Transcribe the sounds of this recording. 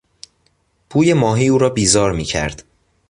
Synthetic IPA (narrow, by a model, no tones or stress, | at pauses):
pʰuːje̞mɒːɦiːuːɾɒːbiːzɒːɾmiːcʰæ̰ɾd̪̥